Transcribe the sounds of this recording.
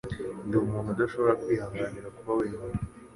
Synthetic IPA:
ndiumuːnhudaʃo̞βoɾakwiːhaːŋɡaːniɾakuβawiimunu

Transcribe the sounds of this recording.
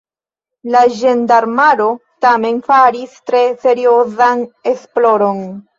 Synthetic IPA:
laʒendaɾmaɾo̞tame̞nfaɾistɾe̞se̞ɾio̞zane̞splo̞ɾo̞n

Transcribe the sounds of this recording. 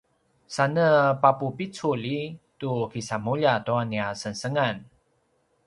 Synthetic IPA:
sanəpapupit͡sulitukisamuʎatoaniasənsəŋan

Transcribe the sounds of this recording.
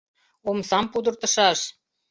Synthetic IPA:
omsɑmpud̪ə̆rt̪ɤ̆ʃɑʃ

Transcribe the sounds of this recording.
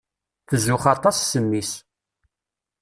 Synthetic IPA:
θəzʊχɑt̪ˤɑsːəmːis

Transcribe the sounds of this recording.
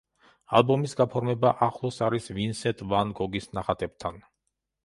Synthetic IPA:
a̰lˠbɔmisɡapʰɔɾmɛbaʔaχlˠɔsaɾisvinsɛt̪ʼvanɡɔɡisnaχat̪ʼɛb̥̚t̪ʰan

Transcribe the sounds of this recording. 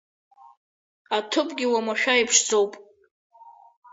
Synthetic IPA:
atʰɨpʼɡʲɪwamaʃʷᶣaipʰʂd͡zo̞wpʼ

